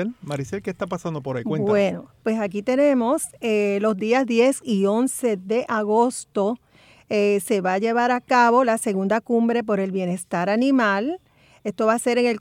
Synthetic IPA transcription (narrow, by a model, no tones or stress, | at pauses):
emaɾiselkest̪apasand̪opoɾaikweb̪wenopwe̞sakit̪e̞nẽ̞mo̞selo̞zd̪iazðje̞sio̞nse̞ðe̞ʔaɣo̞st̪o̞ | ese̞βaʝe̞βaɾakaβo̞lase̞ɣund̪akumbɾe̞p̬o̞ɾe̞lβje̞ne̞st̪aɾanĩmal | e̞st̪o̞βase̞ɾeŋe̞l